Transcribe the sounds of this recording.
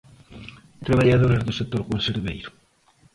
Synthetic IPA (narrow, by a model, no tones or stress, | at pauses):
t̪ɾeβaʎaðoɾezðʊsek̚t̪ːoɾkonseɾβejɾʊ̥